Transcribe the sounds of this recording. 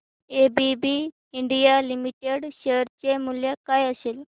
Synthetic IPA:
ebibi | iɳɖijalimiʈeɽɕeɾt͡ɕemuljakaːjəsel

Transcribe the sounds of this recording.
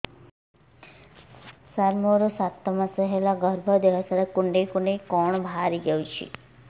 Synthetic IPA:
saɾmoɾosat̪ːəmãsəɦelaɡʱəɾbʱəd̪eʋasaɾekuɳɖekuɳɖekɔɳ̃bʱaɾiɡəũt͡ʃʰḭ

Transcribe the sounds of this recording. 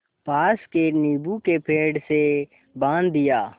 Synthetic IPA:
paːskeniːbukepʰeːɖse | bãːnd̪ːɪjaː

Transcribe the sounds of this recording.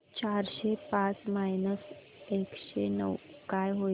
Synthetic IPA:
t͡ɕaɾɕepãt͡smajnəs | ekɕenə̰wkajɦo

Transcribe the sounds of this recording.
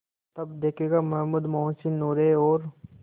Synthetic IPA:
t̪ɐbd̪eːkʰeɡamɐɦmuːd̪mɔ̃ːsinoːɾeɔːɾ

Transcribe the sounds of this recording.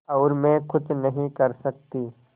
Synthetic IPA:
ɔːɾmɛ̃kʊt͡ʃnɐɦĩkɐɾsɐk̚t̪iː

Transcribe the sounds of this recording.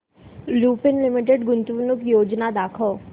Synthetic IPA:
luːpɪnlɪmɪʈ̬eɖɡʊnt̪uʋnʊkjoːd͡ʒnad̪aːkʰəː

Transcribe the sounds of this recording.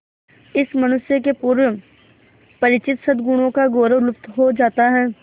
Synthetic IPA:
ɪsmɐñʊsjəkepuːɾwə | pɐɾɪt͡ʃɪt̪sɐd̪ɡʊɽ̃õkaɡoːɾəʋlʊpt̪ɦod͡ʒaːt̪aɦɛː

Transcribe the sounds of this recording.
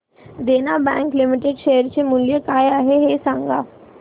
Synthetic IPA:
d̪enabɛ̰̃ŋklimiʈeɖɕejəɾt͡ɕemuljəkajaɦeɦesãŋɡa

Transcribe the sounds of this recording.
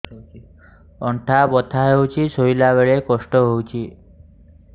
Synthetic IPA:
ɔɳʈʰabɔt̪ʰaɦewt͡ʃʰisoilaʋeɭekɔʂʈɔɦowt͡ʃʰi

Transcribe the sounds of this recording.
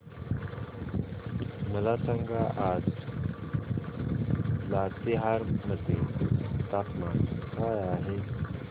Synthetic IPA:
məlasaŋɡʱaʔad͡z | lat̪iɦaɾməd̪ʱːet̪apmakajaɦe

